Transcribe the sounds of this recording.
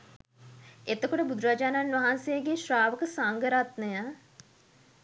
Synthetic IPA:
et̪əkoʈəbud̪ɾaːd͡ʒaːnanʋɐɦansejəɡeʃraːʋəkəsaŋɡəɾat̪nəjə

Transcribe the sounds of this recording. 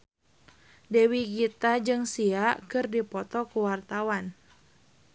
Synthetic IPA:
dɛwiɡit̪ad͡ʒɨŋsiakɨrdipɔt̪ɔkuwart̪awan

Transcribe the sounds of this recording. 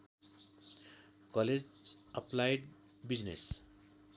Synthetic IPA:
kʌled͡zʌplajɖ | bid͡znḛs

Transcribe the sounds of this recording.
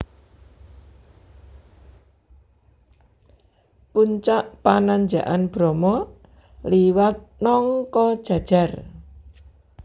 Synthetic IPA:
puɲt͡ʃaʔpanaɲd͡ʒaʔanb̥ɾɔmɔ | liwat̪̚nɔŋkɔd̥ʒ̥ä̤d̥ʒ̥a̤r

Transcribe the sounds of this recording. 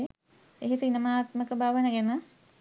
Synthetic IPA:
eɦisiinəmaːt̪məkəbʱaːʋənəɡɛnə

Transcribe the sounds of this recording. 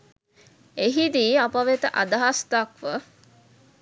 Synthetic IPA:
eɦid̪iːapaʋet̪əʔad̪aɦast̪akʋə

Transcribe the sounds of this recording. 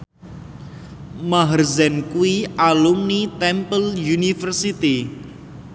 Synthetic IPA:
maɦərzɛnkuwiʔalumnit̪ɛmpəljunifərsit̪i

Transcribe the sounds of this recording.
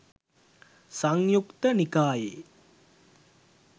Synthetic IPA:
saŋjukt̪ənikaːjḛ

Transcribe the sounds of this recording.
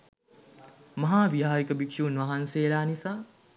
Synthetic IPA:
mɐɦaːʋiɦaːɾikɐbikʂunʋaɦanseːlaːnisa

